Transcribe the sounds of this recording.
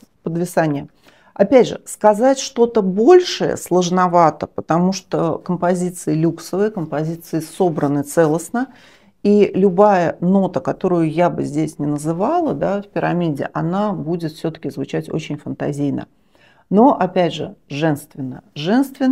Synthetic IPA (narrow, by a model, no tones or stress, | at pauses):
pəd̪vʲɪsanʲɪjə | ɐpʲædʲʐɨ̰skɐzatʲʂt̪o̞t̪əbo̞lʲʂɨjə̰slˠəʐnɐvat̪əpət̪ɐmuʂt̪okəmpɐzʲit̪sɨɪlʲuksəvɨkəmpɐzʲit̪sɨɪso̞bɾənɨt̪sɛlˠəsnə | ilʲʊbajəno̞t̪əkɐt̪o̞ɾʊjʊjabɨ̰zʲdʲesʲnʲɪnəzɨvalˠəd̪afpʲɪɾɐmʲidʲɪ̰ʔɐnabudʲɪt̪fsʲɵt̪ə̥kʲɪzvʊt͡ɕætʲo̰t͡ɕɪnʲfənt̪ɐ̰zʲijnə̰ | no̞ʔɐpʲædʲʐɨ̰ʐɛnst̪vʲɪnːə̰ʐɛnst̪vʲɪ